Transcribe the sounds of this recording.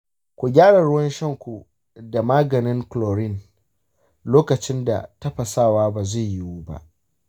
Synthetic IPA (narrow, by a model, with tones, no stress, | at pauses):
kʷu˨ɡʲaː˦ɽɐ˨ɽʊ˦wɐ˦nʃɐ˦ŋkʷu˨ | da˨maː˦ɡɐ˨nɪ˦ŋkloː˨ɽɪ˦˨n | loː˦kɐ˨t͡ʃɪ˦nda̰˨tɐ˦ɸɐ˨saː˦˨waː˦baː˨ze˦˨ji˦wuː˦ba̰˦ʔ